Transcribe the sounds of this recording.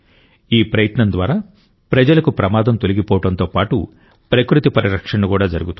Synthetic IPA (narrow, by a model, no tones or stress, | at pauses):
iːpɾɐjɐt̪nɐnd̪ʋaːɾaː | pɾɐd͡ʒɐlɐkupɾɐmaːd̪ɐmt̪o̞liɡipɔːʋɐʈɐnt̪oːpaːʈu | pɾɐkɾut̪ipɐɾiɾɐkʂɐɳːukuːɽaːd͡ʒɐɾuɡut̪u